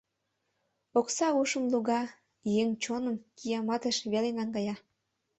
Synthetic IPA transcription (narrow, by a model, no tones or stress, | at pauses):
oksɑuʃəmluɣɑ | jeŋt͡ɕonə̆mkijɑmɑt̪əʃβelenɑŋɡɑjɑ